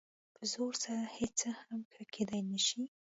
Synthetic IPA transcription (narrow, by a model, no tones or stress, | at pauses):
pʰəzoɾsaɾahet͡səhamkʰakʰed̪ajnəʃi